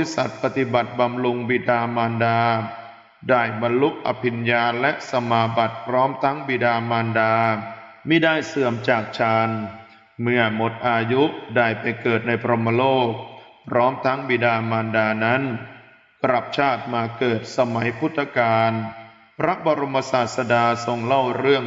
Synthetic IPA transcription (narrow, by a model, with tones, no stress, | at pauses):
li˦˥sa˨˩t̪̚pa˧t̪i˨˩ba˨˩t̪̚ba˧mlu˧ŋbi˨˩daː˧maː˧ndaː˧ | daː˥˩jba˧nlu˦˥ʔ̚ʔa̰˧pʰi˧njaː˧nlɛ˦˥ʔsa˧maː˧ba˨˩t̪̚pʰɾɔː˦˥mt̪ʰa˦˥ŋbi˨˩daː˧maː˧ndaː˧miː˧˩daː˥˩jsɯ˨˩əmt͡ɕaː˨˩k̚t͡ɕʰaː˧n | mɯ˥˩ɐmo˨˩t̪̚ʔaː˧ju˦˥ʔdaː˥˩jpa˧jkɤː˨˩t̪̚na˧jpʰɾo˧mːa˧loː˥˩k̚pʰɾɔː˦˥mt̪ʰa˦˥ŋbiː˨˩daː˧maː˧ndaː˧na˦˥n | kɾa˨˩p̚t͡ɕʰaː˥˩t̪̚maː˧kɤː˨˩t̪̚sa˧ma˩˦jpʰu˦˥t̪ʰːa˧kaː˧n | pʰɾa˦˥bɔ˧ɾo˧mːa˧saː˨˩t̪̚sa˧daː˧so˧ŋla˥˩wɾɯ˥˩əŋ